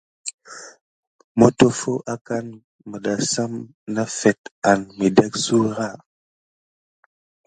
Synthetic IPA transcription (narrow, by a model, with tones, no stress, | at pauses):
mo˦to˦fo˦ʔa˦ka˦n | mə˨da˨sa˦m | na˦fe˨t̚a˨nmi˨de˦ksu˦ɾa˦˨